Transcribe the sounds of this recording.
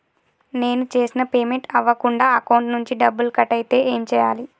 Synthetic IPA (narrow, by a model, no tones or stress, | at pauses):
ne̞ːnut͡ʃeːsinɐpeːmeɳʈɐʋːɐkuɳɖaːɐkɐwɳʈnuɲt͡ʃiɖɐbːulkɐʈɐjt̪e̞ːʔeːmt͡ʃɛːja̰ːli